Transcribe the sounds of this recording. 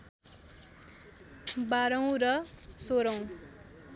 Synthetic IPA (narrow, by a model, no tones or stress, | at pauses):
baɾʌw̃rʌsoɾʌw̃